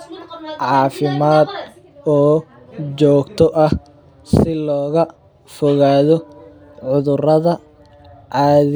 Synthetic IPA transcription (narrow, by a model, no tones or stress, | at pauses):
ʕɑːfɪmaːd̪̚ | ɔː | t͡ʃɔːɡt̪ʰɔʔɐh | sɪlɔːɣɐ | fɔɣaːðɔ | ʕʊðʊrɐðɐ | ʕɑːð